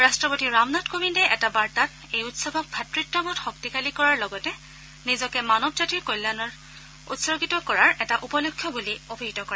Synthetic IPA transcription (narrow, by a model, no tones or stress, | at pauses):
ɹastɹɔpotiɹamnatkomindɛʔɛtabaɹtat | ejutsɔbʱɔk̚bʱatɹitːɔmɔtxɔk̚tikalikɔɹaɹlɔɡɔtɛ | nizɔkɛmanɔb̚tatiɹkojlanɔɹ | ṵtsɔɡitɔkɔɹaɹɛtaʔupɔlokʰːjɔbuliobʱiɦitɔkɔɹɛ